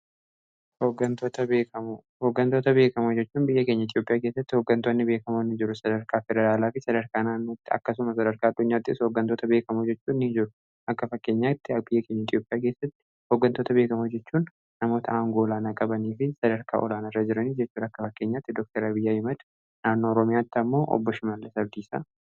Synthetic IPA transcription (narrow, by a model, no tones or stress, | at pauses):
hoːɡːɐnt̪oːt̪ɐbeːkɐmo | hoːɡːɐnt̪o̞ːt̪ɐbe̞ːkɐmod͡ʒɛt͡ʃːuːnbɪjːɐkeɲːɐɪt̪ʼjopʼɪjaːke̞ːsːɐt̪ːɪho̞ɡːɐnt̪onːɪbe̞ːkɐmonːɪd͡ʒɪɾʊsɐd̪ɐɾkaːfɛd̪ɛɾaːlaːfɪsɐd̪ɐɾkaːnaːnːoːt̪ːɪɐ̰kːɐsʊmɐsɐd̪ɐɾkaːd̪ːʊɲːaːt̪ːɪɪshoːɡːɐnt̪oːt̪ɐbeːkɐmod͡ʒɛt͡ʃːuːnːɪd͡ʒɪɾʊ | ʔɐkːɐfɐkːe̞ːɲːaːɪt̪ːɪɐbɪjːɐke̞ːɲːɐɪt̪ʼjo̞ːpʼɪjaːke̞ːsːɐt̪ːɪ̥ | hoɡːɐnt̪o̞ːt̪ɐbe̞ːkɐmod͡ʒɛt͡ʃːuːnː | ɐmo̞ːt̪ɐaːŋɡoːɔlaːnaːkʼɐbɐniːfɪsɐd̪ɐɾkʰa̰ːʔɔ̰laːnɐrːɐd͡ʒɪɾɐniːd͡ʒɛt͡ʃːuːd̪ɐkːɐfɐkːe̞ːɲːaːt̪ːɪd̪ɔk̚t̪ɐɾabɪjːaːhɪmɐd̪ | naːnːoːɔɾɔmɪjaːt̪ːɪɐmːo̞ːʔɔ̰bːɔʃɪmalːɛsɐb̚d̪iːsa̰